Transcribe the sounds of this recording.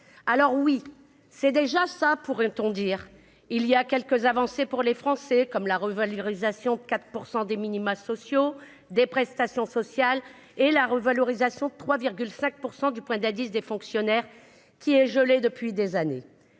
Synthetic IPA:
alɔʁwi | sɛd̪eʒasapuʁɛ̃t̪ɔ̃d̪iʁ | iliakʲɛlkəzavɑ̃sepuʁlefχɑ̃sɛkɔmlaʁəvalɔʁizasjɔ̃d̪əkat̪χə̥puʁsɑ̃d̪eminimasɔsjo | d̪epχɛst̪asjɔ̃sɔsjal | elaʁəvalɔʁizasjɔ̃d̪ət̪χwaviʁɡʲylsɛ̃k̚puʁsɑ̃d̪ypwɛ̃d̪ad̪isd̪efɔ̃ksjɔnɛʁ | kʲiɛʒəled̪əpɥid̪ezane

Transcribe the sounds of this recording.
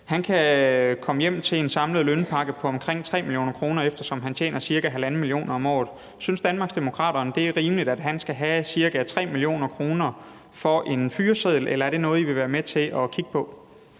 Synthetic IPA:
hænkʰækʰɒ̽məjem̰t͡sʰe̝le̝nsɑ̈mləð̩ˠlønpʰɑ̈ɡ̥əpʰɒ̽ɒ̽mkʰʁeŋ̰t͡sʰʁɛ̰ːmiljo̝̰ːnɐkʰʁo̝ːnɐefd̥ɐsɒ̽mɦænt͡ɕʰḛːnɐsiɐɡ̥æɦælæn̩milio̝̰ːnɐɒ̽mɒ̰ːð̩ˠ | synsd̥ænmɑ̈ɡ̥sd̥emo̝kʰʁɑ̰̈ːɾ̥ɐːnd̥e̝æɐʁiːmlid̥æd̥ɦænsɡ̥æɦæsiɐɡ̥æt͡sʰʁɛ̰ːmilio̝̰ːnɐkʰʁo̝ːnɐ | fɒ̽ʔe̝nfyːɐseð̞̰ˠl̩elɐæɐd̥e̝nɔ̽ːð̞̩ˠiʋe̝ʋæːɐmet͡sʰe̝lʔɒ̽kʰiɡ̥̚pʰɒ̽

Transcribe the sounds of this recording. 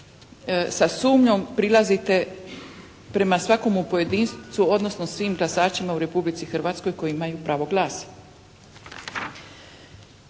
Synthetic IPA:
sasuːmɲo̞mpɾilazit̪e̞ | pɾe̞masʋako̞mupo̞je̞d̪iːnst̪suo̞d̪no̞snosʋiːmɡlasaːt͡ʃimauɾe̞publit̪sixr̩ʋaːt̪sko̞jko̞jiimajupɾaːʋo̞ɡlˠaːsḁ

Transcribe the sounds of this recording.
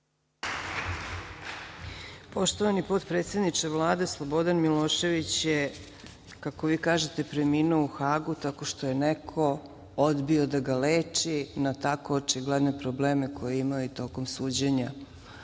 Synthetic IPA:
po̞ʃt̪oʋanipo̞t̪pɾe̞ːt̪sje̞d̪nit͡ʃeʋlˠaːd̪e̞slˠobo̞d̪anmiloːʃe̞ʋit͡ɕje | kako̞ʋiːkaːʒe̞t̪e̞pɾemiːnuouxaːɡut̪ako̞ʃt̪o̞je̞nekʰo̞ | od̪bio̞d̪aɡaleːt͡ʃinat̪akoot͡ʃiɡlˠed̪nepɾobleːmekʰo̞jeimajuit̪o̞komsuːd͡ʑeɲa

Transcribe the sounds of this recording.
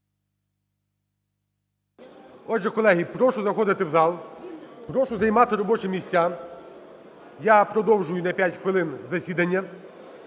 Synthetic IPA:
ɔdd͡ʒɛkɔlˠɛɦʲipɾɔʃʊzɐxɔd̪ɪt̪ɪwzɑlˠpɾɔʃʊzɐjmɑt̪ɪɾɔbɔt͡ʃɪmʲisʲt͡sʲːa | japɾɔd̪ɔwʒʊjʊnɐpʲjatʲxʋɪlˠɪnzɐsʲid̪ɐnʲːɐ

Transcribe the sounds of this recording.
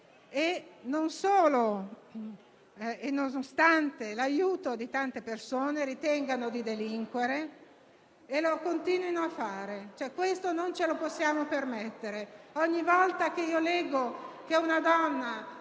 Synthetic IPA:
enonsoːlo | enːonost̪ant̪elajuːt̪od̪it̪ant̪epersoːneɾit̪ɛŋɡanod̪id̪eliŋkweɾe | lokont̪iːnwinoafːaːɾet͡ʃoɛkwest̪onont͡ʃeloposːjaːmopermet̪ːeɾeɔɲːivɔlt̪ak̟eiːolɛɡːokeunad̪ɔnːa

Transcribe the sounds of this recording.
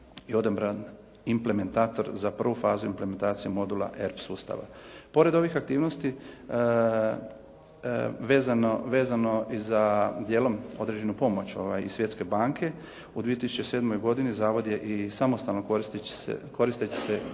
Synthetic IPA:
io̞d̪obɾan | imple̞me̞nt̪aːt̪o̞ɾzapr̩ʋufaːzuimpleme̞nt̪aːt̪sijemo̞d̪ula̰ʔeɾpsuːst̪a̰ʋa̰po̞ɾe̞d̪o̞ʋixak̚t̪iːʋno̞st̪i | ʋeːzanoʋe̞ːzano̞izad̪je̞ːlo̞mo̞d̪ɾed͡ʑe̞nupo̞mo̞t͡ɕo̞ʋajisʋje̞t̪ske̞baːŋkʰe̞ | ud̪ʋiet̪isut͡ʃese̞ːd̪mo̞jɡo̞d̪inizaːʋod̪je̞ʔisamo̞st̪alˠnokoist̪sḛko̞ɾist̪et͡ɕe̥se

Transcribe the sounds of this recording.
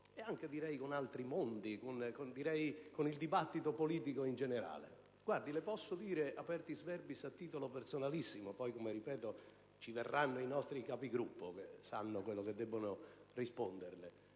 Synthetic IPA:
eaŋked̪iɾɛjkonalt̪ɾimond̪ikonkond̪iɾɛjkonild̪ibat̪ːit̪opoliːt̪ikoind͡ʒeneɾa̰ːlḛ | ɡward̪ilɪpɔsːod̪iːɾeʔapɛrt̪izvɛrbisat̪ːiːt̪olopersonalisːimopɔjkomeripɛːt̪o | t͡ʃiverːanːoinɔst̪ɾikapiɡɾupːokesːa̰nːʊkwelːok̟ed̪ːɛbːonʊrispond̪ernɪ

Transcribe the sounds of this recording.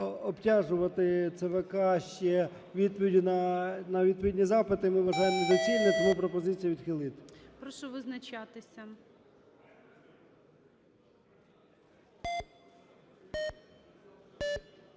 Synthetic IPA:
ɔptʲɑʒʊʋɐt̪ɪt̪seʋekɑʃt͡ʃɛ | ʋʲid̪̚pɔʋʲidʲinɐnɐʋʲid̪̚pɔʋʲid̪ʲnʲizɑpɪt̪ɪmɪʋɐʒɑjemɔzɐt͡ʃinːɛt̪ɔmupɾɔpɔzɪt͡sʲijɐʋʲid̪̥xɪlˠɪt̪ɪ̥pɾɔʃɔʋɪznɐt͡ʃat̪ɪsʲɐ

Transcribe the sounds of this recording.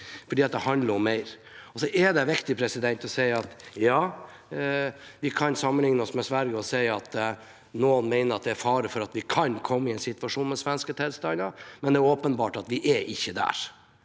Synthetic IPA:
fɔɖiːɑt̪̚d̪ɛhɑnd̪ləɾɔmːæɪɾ | ɔsɔʔɛɖɛʋɪkt̪ɪpʰɾɛsɪd̪ɛnt̪ɔsæɪɑt̪jɑː | ʋɪkʰɑnsɑmːənlɪŋnəɔsmɛsʋæɾɡəɔsæɪɑt̪ | noːnmæɪnəɾɑt̪̚d̪ɛæɾfɑːɾəfɔɾɑt̪ʋɪkʰɑnkʰɔmːəɪɛɪnsɪt̪ʋɑʂuːnmɛsʋɛnskət̪ʰɛːlst̪ɑnəmɛnd̪ɛæɾoːpənbɑːʈɑt̪ʋɪʔɛʔɪçːəd̪æ̰ːɾ

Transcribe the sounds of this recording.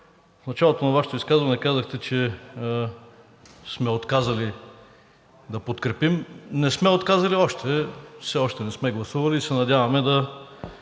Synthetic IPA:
fnɐt͡ʃalˠot̪onɐvaʃɛ̥t̪oiskazvɐnɛkazɐxt̪ɛt͡ʃɛ | smɛot̪kazɐli | d̪ɐpot̪kɾɛpimnɛsmɛot̪kazɐliɔʃt̪ʰɛfsɛɔʃt̪ɛnɛsmɛɡlˠɐsuvɐliːsɛnɐd̪ʲavɐmɛd̪ɐ

